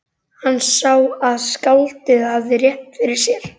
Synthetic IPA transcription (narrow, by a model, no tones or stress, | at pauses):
hanːsaːwaðskawlt̪ɪðavðɪrjɛhnfɪɾɪɾ̥sjɛɾ̥